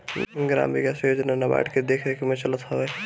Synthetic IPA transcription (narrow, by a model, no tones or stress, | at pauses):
ɡɾa̰ːmbiɡasjoːd͡ʒnanaba̰ːʈked̪eːkʰɾekemẽt͡ʃələt̪ɦɔʋeː